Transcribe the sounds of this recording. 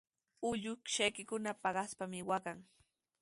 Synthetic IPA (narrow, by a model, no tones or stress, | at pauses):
ʊʎʊkʃajkɪkʊnapɑɢɑspamɪwakaŋ